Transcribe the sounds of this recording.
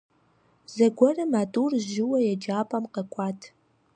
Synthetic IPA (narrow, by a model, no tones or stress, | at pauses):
zɐɡʷɔrɨmaːtʼuːrʒɪwɐjɛd͡ʒaːpʼɐmqɐkʷʼɑːtʰ